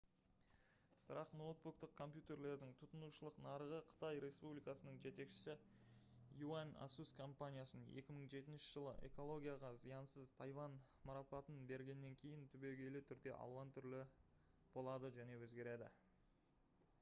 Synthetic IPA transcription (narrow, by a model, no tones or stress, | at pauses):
b̥ɪɾɑqno̞wt̪̚buk̚t̪əq̚kʰo̞mpʲjut̪e̞ɾle̞ɾd̪ɪŋt̪ʰʊt̪ənuʃəlˠəqnɑɾəʁəqʰə̥t̪ɑjɾe̞spublijkɑsənəɴʒe̞t̪e̞kʃɪ̥sɪ | juana̰suskʰo̞mpanʲijasnənʔe̞̰kʲɪməɴʒe̞t̪ɪnʃɪ̥ʒ̥əlˠə̰ʔe̞̰ko̞lˠo̞ɡʲijaʁɑzijɑnsəzt̪ʰɑjvɑn | mɑɾɑpɑt̪ənbe̞ɾɡʲe̞nːe̞ŋkʲʰe̞jɪnt̪ʰʏbe̞ɡʲe̞lɪt̪ʰʏɾd̪e̞̰ʔɑ̰lˠwɑnt̪ʰʏɾlɪ | b̥o̞lˠɑd̪əʒæne̞wɵzɡʲe̞ɾe̞d̪ɪ̰